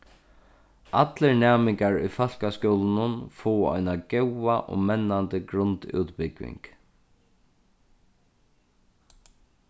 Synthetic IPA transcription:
ʔat̪ləɹnɛːmɪŋkaɹʊ̰fal̥kaskɔwlnʊnfɔwɔ̰jnaɡɛwaʔɔ̰mɛnːant̪əɡɾʊnt̪ṵːt̪bɪkʋɪ̰ŋk

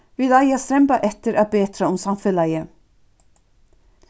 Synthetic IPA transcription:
ʋɪlæɪast̪ɾɛmbɑʔɛt̪əɾʔaːbeːt̪ʰɾaʊmsɑmfʏlɑɪə

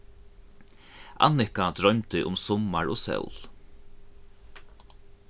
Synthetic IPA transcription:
ʔa̰nɪkad̪ɾɔɥmt̪ɪʔʊmsɔmaɹɔːsɛ̰wl

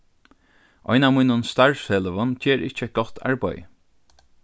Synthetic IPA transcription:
ʔɔjnaːvmuːnʊnst̪aɹsheːləʋʊnt͡ʃɛːɹɪht͡ʃəɛt̪̚ɡ̥ɔt̪ʰa̰ɹbɔ̰j

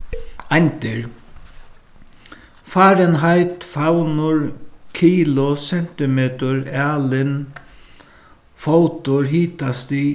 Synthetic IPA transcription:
ajnt̪ɪɾ | faːɾɛnɦajt̪fawnʊɹkʰiːlʊsɛn̥t̪ɪmeːt̪ʊɹaːlɪn | fowt̪ʊɹɦiːt̪ast̪ɪ

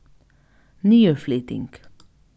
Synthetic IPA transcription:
nyːəfliːt̪ɪ̰ŋk

